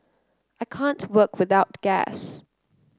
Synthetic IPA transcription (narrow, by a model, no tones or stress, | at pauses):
ʔaɪkʰæ̃ntʰwɜkʰwɨðaʊt̚ɡ̥æ̰s